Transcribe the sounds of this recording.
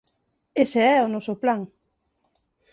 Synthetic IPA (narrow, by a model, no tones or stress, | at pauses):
eseɛʊnɔsʊplaŋ